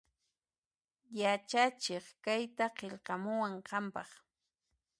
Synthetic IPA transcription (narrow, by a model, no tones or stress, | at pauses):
jat͡ʃat͡ʃeχkajt̪aqeʎqɑmʊwaɴqɑmpɑχ